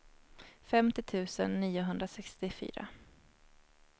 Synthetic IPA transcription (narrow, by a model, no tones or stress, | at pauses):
fɛmt̪ɪt̪ʰʉ̟ːsə̰nːiːʊɦɵnd̪ɾasɛkst̪ɪfy̰ːɾa̰